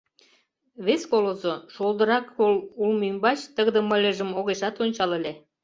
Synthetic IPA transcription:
βeskolozoʃolˠd̪əɾɑkolulmymbɑt͡ɕt̪əɣd̪ə̆mə̆lʲəʒə̆moɣeʃɑt̪onʲt͡ɕɑləlʲe

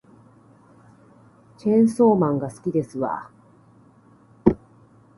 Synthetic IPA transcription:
t͡ɕẽ̞ɰ̃so̞ːmãŋɡasɨ̥kʲid̪e̞sɨβa̰

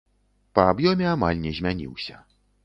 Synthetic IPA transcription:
pɐːbjɔmʲɛama̰lʲnʲɛzʲmʲanʲḭwsʲɐ̰

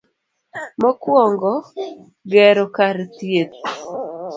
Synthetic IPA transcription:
mɔkwɔŋɡɔ | ɡɛɾɔkaɾt̪jet̪̚

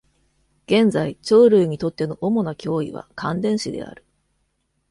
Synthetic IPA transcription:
ɡ̥ẽ̞nd͡zait͡ɕo̞ːɾɯ̟ːɲ̟it̪o̞t̪ːe̞noʔomo̞nakʲʰo̞ːḭβa̰kʰãnd̪ẽ̞ɰ̃ɕid̪e̞̰a̰ɾɯ̟̥

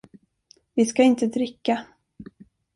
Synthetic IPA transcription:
vɪskaɪnt̪əd̪ɾɪkːa

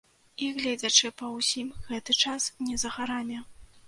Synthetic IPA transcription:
iɣlʲɛd͡zʲɐt͡ʂɨpɐwsʲimɣɛt̪ɨt͡ʂasnʲɛzɐɣaɾamʲɛ

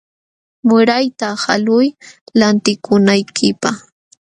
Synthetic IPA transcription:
mʊɾajt̪aha̰lʊjlant̪ɪkʰʊnajkʰɪpaχ

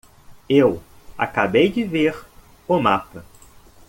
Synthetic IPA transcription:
ew | a̰kabejd͡ʒɪveɾ | ʊmapɐ

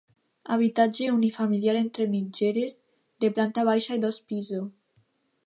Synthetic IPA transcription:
aβit̪ad͡ʒeunifamiljaɾent̪ɾemid͡ʒeɾez | d̪eplant̪aβajʃajd̪ospizo

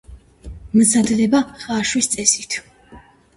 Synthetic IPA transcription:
mzad̪lɛbaχaːʃwist̪sʼɛsit̪ʰ

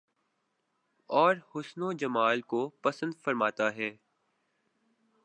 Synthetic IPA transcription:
ɔːɾhʊsnod͡ʒɐmaːlkopɐsə̃nd̪fɐɾmaːt̪aɦɛː

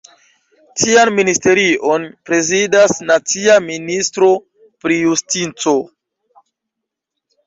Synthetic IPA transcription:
tʰianministe̞ɾiʔo̞npɾe̞zidasnat͡siaministɾo̞ | pɾijustint͡so̞

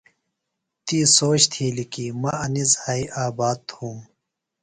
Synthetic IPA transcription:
t̪iːsoːt͡ɕt̪ʰiːlikiːmɐɐnizhaːiʔaːbaːd̪̚hũːm

